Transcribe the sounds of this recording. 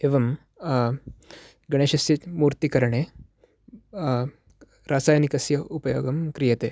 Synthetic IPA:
eʋɐm | ɡɐɽ̃eːʃɐsjɐt̪muːɾt̪ikɐɾɐɳeː | ɾaːsaːjɐnikɐsjɐʔupɐjoːɡɐmkɾijɐt̪eː

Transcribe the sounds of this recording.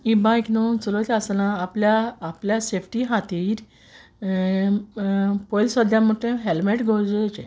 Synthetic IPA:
ibãjknot͡sulot͡ɕasanãːpljaːpljasefʈiːɦat̪iːɾ | pojlswəd̪ʱjamuʈẽɦelmeʈɡʱɔɾd͡zət͡ɕḛ

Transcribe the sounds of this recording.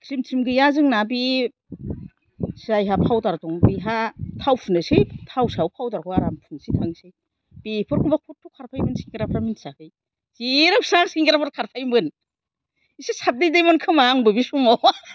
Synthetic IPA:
tʰɾimtʰɾimɡɯjazɯŋnabi | sajɦapʰawtaɾtɔŋbiɦatʰawpʰunɯsejtʰawsawpʰawtaɾkʰɔaɾampʰunsitʰɯŋsɯj | b̥ipʰɯɾkʰumbakʰutʰːukʰaɾpʰajmɯnskiŋɡɾapʰɾaminsakɯj | ziɾawsaŋskiŋɡɾapʰɯɾkʰaɾpʰajmɯn | isisʰat̚dejdejmankʰɯmaŋbɯbisumɔ

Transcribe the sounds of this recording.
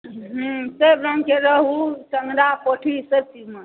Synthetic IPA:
ɦsebɾəŋɡkeɾəɦut͡ʃəŋɡɾapoʈʰiseb̚t͡ʃimə

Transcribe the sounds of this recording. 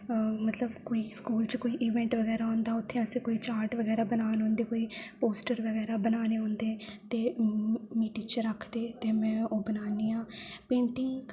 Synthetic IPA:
mət̪ləbkoːiːskuːlt͡ʃkoːiːʔiːʋɛ̃ːɳʈʋəɡɛːɾaːɦɔ̃ːnd̪aːʊt̪ʰːẽəsĩːkoːiːt͡ʃaːɾʈʋəɡɛːɾaːbənaːnɦõːnd̪eːkoːiːpoːsʈəɾʋəɡɛːɾaːbənaːneːɦõːnd̪eːt̪eːmiːʈiːt͡ʃɾəkʰd̪eːt̪eːmɛ̃ːoːbənaːniːãːpẽːɳʈɪŋɡ

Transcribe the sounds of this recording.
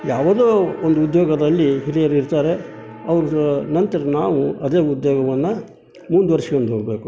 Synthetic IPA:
jaːʋɐd̪oːond̪uud̪joːɡɐd̪ɐlːiɦiɾijɐɾiɾt̪aːɾe̞ | ɐʋɐɾunɐnt̪ɐɾɐnaːʋuɐd̪e̞ːud̪joːɡɐʋɐnːɐ | muːnd̪uʋɐɾʂɐjond̪uɦoːɡbe̞ːku

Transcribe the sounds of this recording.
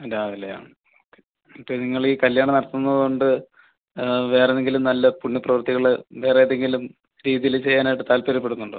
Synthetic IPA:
ɾaːðilːɐja̰ːɳ | okːe | ipːeniŋːɐɭiːkɐljaːɳɐnɐɽɐt̪ːunːɐðuɳɖɨ | ʋe̞ːrenːeŋɡilumnɐlːɐpuɳːuprɐʋɐrt̪iɣɐɭʋe̞ːreɐðeŋɡilum | ɾiːðijilt͡ɕe̞jːaːnaːjiʈːɨt̪aːlpɐɾɐp̬ːe̞ɽunːuɳɖɨ̰

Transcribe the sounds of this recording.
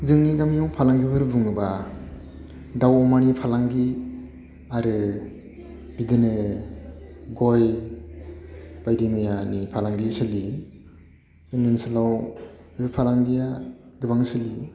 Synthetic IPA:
zɯŋniɡamijɔwpʰalaŋɡibɯɾbuŋɯba | dawɔmanipʰalaŋɡi | aɾɯ | bidɯnɯ | ɡɔj | b̥ajdimijanipʰalaŋɡisɯli | zɯnɯnsɯlaw | ɯpʰalaŋɡijaɡɯbaŋsɯli

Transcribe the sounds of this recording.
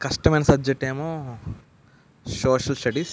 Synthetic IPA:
kɐʂʈɐmenɐsɐbd͡ʒɐk̚ʈːeːmoː | soːʃɐlsʈɐɖiːs

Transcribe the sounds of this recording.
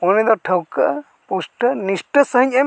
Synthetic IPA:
ɔnid̪ɔʈʰəwkəʔ | pusʈənisʈəsəɦəɲɛ

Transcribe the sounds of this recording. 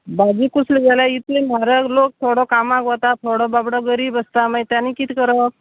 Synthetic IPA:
bad͡ʒikusliɡalait̪em̤aɾəklok̚t̪ʰoɽɔkamãkʋɔt̪at̪ʰoɽɔbabɽɔɡəɾiːbəst̪amajt̪janikit̪ʰikəɾə

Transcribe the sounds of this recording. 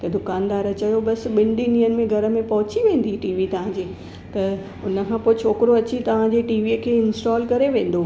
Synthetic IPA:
t̪ɐd̪ʊkaːnd̪aːɾɐt͡ɕɐjobɐsɓɪ̃ɳɖiniənɪ̆mẽɡʱɐɾə̆mẽpɐɦʊt͡ɕiʋẽːn̆d̪iʈiːʋit̪ɐʋ̤ãːd͡ʑeː | t̪ɐ | ʊnə̆kʰãːpoːet͡ɕʰoːkɪɾoɐt͡ɕit̪ɐʋ̤ãd͡ʑeʈiːʋikʰeːɪnsʈaːlkɐɾeʋẽːn̆d̪o

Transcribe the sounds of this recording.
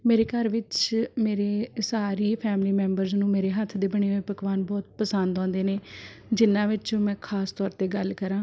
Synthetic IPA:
meːɾeːkəɾʋɪt͡ʃmeːɾeːsaːɾiːpʰɛːmliːmɛ̃ːmbəɾznũːmeːɾeːɦət̪ʰːd̪eːbəɳ̃eːʋepəkʋaːnbɔːt̪̚pəsənd̪ɔ̃ːnd̪eːneːd͡ʒɪnːãːʋɪt͡ʃmɛ̃ːkʰaːst̪ɔːɾt̪eːɡəlkəɾãː

